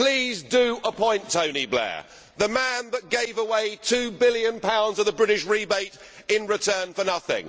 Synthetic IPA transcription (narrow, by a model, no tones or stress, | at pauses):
pʰl̥iːzdəəpʰɔ̃ɪ̃ntʰə̃ʊ̃niblɛ̰ | ðəmæ̃nðət̚ɡ̥eɪvəweɪtʰʉbɪljə̃npʰãʊ̃ndzəvðəbɹɪɾɪʃɹibeɪt | ɪ̃nɹɪtʰɜːnfənʌθɪ̰̃ŋ